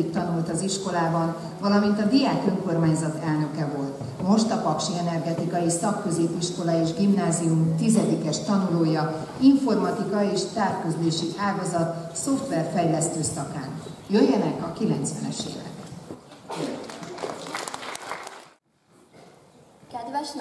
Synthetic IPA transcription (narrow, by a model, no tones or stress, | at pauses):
ikt̪ɒnult̪ɒziʃko̞laːbɒn | vɒlɒmint̪ɒd̪iaːkøŋko̞rmaːɲzɒt̪ɛlnø̞kɛvo̞lt̪ | mo̞ʃt̪ɒpɒkʃiɛnɛrɡɛt̪ikɒjisɒkːøzeːpiʃko̞lɒeːʒɡimnaːzijumt̪izɛd̪ikɛʃt̪ɒnuloːjɒ | iɱfo̞rmɒt̪ikɒeːʃt̪aːrkyzleːʃiʔaːɡɒzɒt̪so̞ft̪ʋɛrfɛjlɛst̪øːsɒkaːnjøjːɛnɛkɒkilɛnt̪sʋɛ̰nɛ̰ʃḛːvɛ̰k | kɛd̪ʋɛʃ